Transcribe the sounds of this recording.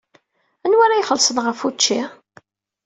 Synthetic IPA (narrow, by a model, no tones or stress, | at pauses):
ænwæɾajχəlsənʁəfut͡ʃːi